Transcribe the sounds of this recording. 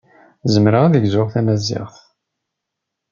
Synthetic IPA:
zəmɾaæðəɡzʊʁθæmæzɪ̰ʁθ

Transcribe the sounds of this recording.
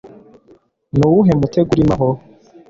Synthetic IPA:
nuwuɦe̞muteɡuɾimaɦo

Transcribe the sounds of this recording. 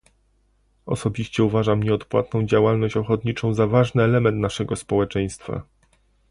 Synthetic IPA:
ɔ̰sɔbʲiɕt͡ɕɛuvaʐamɲɛɔt̪pwa̰t̪nɔ̃w̃d͡ʑawalnɔɕt͡ɕɔxɔt̪ɲit͡ʂɔ̃w̃zavaʐnɘɛlɛmɛnt̪naʂɛɡɔspɔwɛt͡ʂɛj̃st̪fa̰

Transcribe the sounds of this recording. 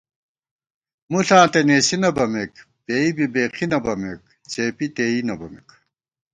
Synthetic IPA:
muɬãːt̪eneːɕinɐbɐmek | peːibibeːqʰinɐbɐmek̚ | t͡ɕʰeːpit̪eːinɐbɐmek

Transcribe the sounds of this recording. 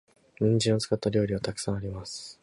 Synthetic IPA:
ɲ̟ĩɲ̟d͡ʑĩot͡sɨ̥kat̪ːaɾʲo̞ːɾʲiβat̪akɯ̟̥sãɰ̃aɾʲimasɨ̥

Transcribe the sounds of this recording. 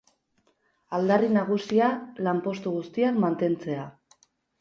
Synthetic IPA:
ald̪arinaɣ̞usialampo̞st̪uɣust̪iakmant̪e̞nt͡se̞a

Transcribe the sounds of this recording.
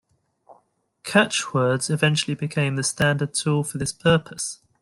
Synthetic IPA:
kʰat͡ʃwɜːdz̥ɪvɛ̃nt͡ʃəlibɪkʰẽɪ̃mðəstãndəd̚tʰuːlˠfəðɪspʰɜˑpʰəs

